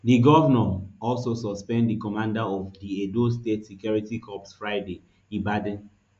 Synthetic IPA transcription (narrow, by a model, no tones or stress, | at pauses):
diɡɔvənɔɔlsosɔspɛ̃nddikɔmãndaɔvdiedostetsikjɔɹitikʰɔpsfɹaɪde | ĩbadɛ̃n